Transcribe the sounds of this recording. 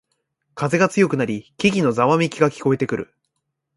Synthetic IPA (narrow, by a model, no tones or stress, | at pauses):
kaze̞ɡat͡sɨjo̞kɯ̟naɾʲikʲiɡʲino̞zaβamʲikʲiɡakʲi̥ko̞e̞t̪e̞kɯ̟ɾʔɯ̟̰